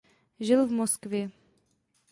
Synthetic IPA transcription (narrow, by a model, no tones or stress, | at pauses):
ʒɪlvmoskvjɛ